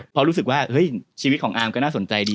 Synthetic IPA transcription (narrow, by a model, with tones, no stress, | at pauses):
pʰɔ˦˧ɾuː˦˥s̬ɯ˨˩k̚waː˥˩ʔhɤ˦˥jt͡ɕʰiː˧i˦˥t̪̚kʰɔː˩˦ʔaː˧mkɔ˥˩naː˥˩so˩˦nt͡ɕa˧jdiː˧